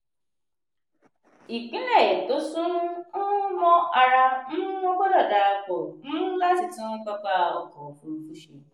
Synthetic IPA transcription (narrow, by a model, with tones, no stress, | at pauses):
i˨k͡pi˦ne˨e˨tʊ˦sʊ˦n̩˦nʊ˦mɔ˦a˨ɾa˦n̩˦o˦ɡ͡bo˦lɔ˨da˨a˦˨kɔ˨n̩˦la˦tɪ˨tɪ˦ŋ̩˦ka˦ka˦a˨ɔ̰˨kɔ˨fu˨˦fu˦ʃḭ˦